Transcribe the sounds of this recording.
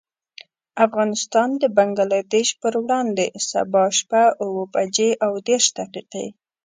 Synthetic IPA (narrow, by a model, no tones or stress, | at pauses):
afɣɑnɪst̪ɑnd̪əbaŋɡalɑd̪eʃpəɾwɽɑnd̪esa̰bɑʃpaʊwəpad͡ʒeʔawd̪eɾʃd̪aqiqḛ